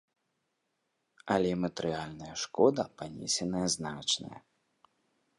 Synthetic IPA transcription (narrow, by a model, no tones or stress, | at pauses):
ɐlʲɛimɐt̪ɛɾɨjalʲnɐjɐʂkɔd̪ɐpanʲɛsʲɛnɐjɐznat͡ʂnɐ̰jɐ̰